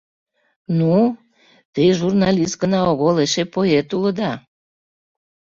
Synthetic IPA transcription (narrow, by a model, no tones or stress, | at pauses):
nu | t̪eʒurnɑlʲist̪̚ɡənɑoɣoleʃepojet̪uləd̪ɑ